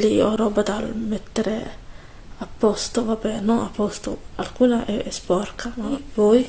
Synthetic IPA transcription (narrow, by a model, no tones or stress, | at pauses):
liɔɾɔːbat̪almet̪ːeɾe | apːɔst̪ovabːɛnonapːɔst̪o̰alkuːnaʔɛspɔrkʰamapɔj